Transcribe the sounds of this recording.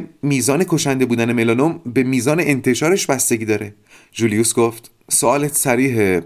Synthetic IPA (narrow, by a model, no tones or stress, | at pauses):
miːzɒːne̞kʰo̞ʃænd̪e̞buːd̪æne̞melɒnombe̞miːzɒːne̞ʔent̪ʰe̞ʃɒːɾeʃbæst̪e̞ɟiːd̪ɒːɾe̞ | d͡ʒuːlijusɡoft̪ | soɒːlet̪sæɾiːɦe